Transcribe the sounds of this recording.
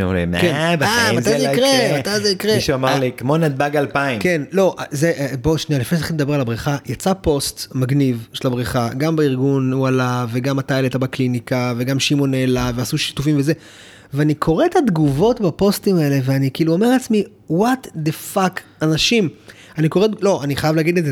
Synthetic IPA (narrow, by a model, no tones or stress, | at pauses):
o̰lḭmkebaamatajeikʁemat̪ajzeikʁeʃuamaʁlikmonad̪̚baɡalpaimke̞nlo̞ʔazeʔboʃnijalifneʃaχiled̪ɐbe̞ʁalabʁiχajat͡sapo̞stmaɡnivʃelabʁiχaɡambeiʁɡunualave̞ɡamat̪alet̪abaklinikave̞ɡamʃimo̞nelaveasuʃi̥tufimveze | veanikʰo̞ʁetad̪ɡuvo̞tbapo̞stimae̞le̞veanikiːluo̞me̞at͡smi | wat̪d̪efakanaʃim | aniko̞edlo̞ʔaniχajavlaːɡid̪leze